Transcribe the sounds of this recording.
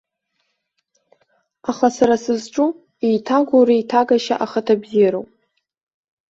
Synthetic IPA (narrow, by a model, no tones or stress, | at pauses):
aχasaɾasɨzʈ͡ʂʼu | ijtʰaɡʷuɾijtʰaɡaʃa̰ʔaχətʰabziɾowpʼ